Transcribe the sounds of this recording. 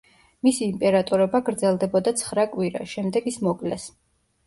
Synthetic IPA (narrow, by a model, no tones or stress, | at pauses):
misiːmpʼɛɾat̪ʼɔɾɔbaɡɾd̪zɛlˠd̪ɛbɔd̪at̪sʰχɾakʼwiɾa̰ʃɛmd̪ɛɡismɔkʼlɛs